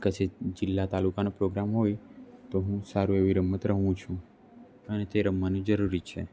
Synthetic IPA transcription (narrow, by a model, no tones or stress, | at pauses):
kəsʰed͡ʒɪlːat̪alukanopɾoɡɾamɦojt̪oɦũsaɾũeʋiɾəmːət̪ɾəɦʋũt͡ʃʰũ | ənet̪eɾəmːanũd͡ʒəɾuɾit͡ʃʰe